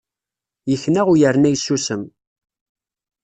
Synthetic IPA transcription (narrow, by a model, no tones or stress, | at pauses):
jəçːnæʁujəɾnæjsːusəm